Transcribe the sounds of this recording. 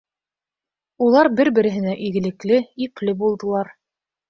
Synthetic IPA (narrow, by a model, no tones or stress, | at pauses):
ulˠɑɾbɘɾbɘ̆ɾɘ̆ɦɘ̆næʔiɡɘ̆lɘ̆klɘiplɘbulˠd̪ɤ̆lˠɑɾ